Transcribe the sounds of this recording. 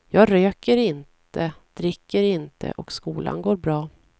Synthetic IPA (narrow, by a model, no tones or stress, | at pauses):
jɑːɡɾøːkəɾɪntt̪ʰəd̪̥ɾɪkːəɾɪnt̪ʰə̰ʔɔkskuːla̰nɡoːɾbɾɑː